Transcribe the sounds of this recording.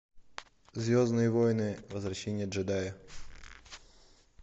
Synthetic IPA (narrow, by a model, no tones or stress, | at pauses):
zʲvʲo̞znɨjəvojnɨvəzvɾɐɕːenʲɪjəd̪ʐɨd̪ajɪ